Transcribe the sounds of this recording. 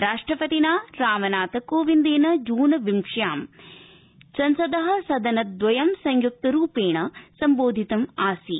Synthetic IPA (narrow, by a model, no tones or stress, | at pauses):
ɾaːʂʈɾɐpɐt̪inaːɾaːmɐnaːt̪ɐkoːʋind̪eːnɐd͡ʒuːnɐʋimʂjaːm | sɐnsɐd̪ɐɦɐ̆sɐd̪ɐnɐd̪ʋɐjɐmsɐŋjuk̚t̪ɐɾuːpeːɳɐsɐmboːd̪ʱit̪ɐmaːsi